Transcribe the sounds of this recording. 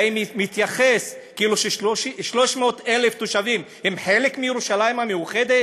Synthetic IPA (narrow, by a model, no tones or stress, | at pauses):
immit̪jaχeskiiluʃeʃʃiʃlo̞ʃmeot̪eleft̪oʃavim | hemħe̞lekmijeʁuʃalajimhamejuχed̪e